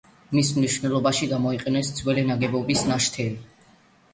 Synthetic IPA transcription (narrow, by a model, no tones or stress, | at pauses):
mismniʃvnɛlˠɔbaʃiɡamɔiqʼɛnɛsd̪z̥wɛlɛnaɡɛbɔbisnaʃt̪ʰɛli